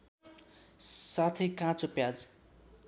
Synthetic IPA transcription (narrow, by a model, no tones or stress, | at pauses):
sat̪ʰekãt͡sopjad͡z